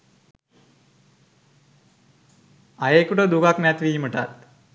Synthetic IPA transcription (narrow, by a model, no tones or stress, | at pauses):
ajekuʈəd̪ukaknɛt̪ʋiːməʈa̰t̪̚